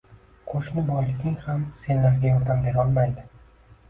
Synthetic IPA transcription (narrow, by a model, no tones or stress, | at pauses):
qʰoʃnɪbɒjlɪkʲɪŋhamse̞nlaɾɡʲajɒɾd̪amɡʲajɒlˠmajd̪ɪ